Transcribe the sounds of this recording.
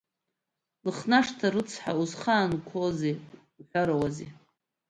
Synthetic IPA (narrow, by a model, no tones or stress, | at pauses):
lɨχnaʂtʰaɾɨt͡sʰħa̰uzχaːnkʷʰoze | uħʷᶣaɾawaze